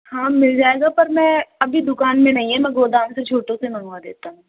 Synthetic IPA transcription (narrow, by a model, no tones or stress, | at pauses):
hãːmɪld͡ʒaːeɡapɐɾmɛ̃ːɐbʱid̪ʊkaːnmẽnɐɦĩɦɛmɛ̃ɡoːd̪aːmset͡ʃʰoːʈõsemɐnuad̪eːt̪aɦũː